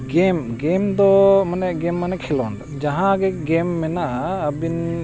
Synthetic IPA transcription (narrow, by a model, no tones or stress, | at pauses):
ɡɛmɡɛmd̪ɔmanɛɡɛmːanɛkʰɛlɔn | d͡ʒaɦãɡɛɡɛmːɛnaʔaːbin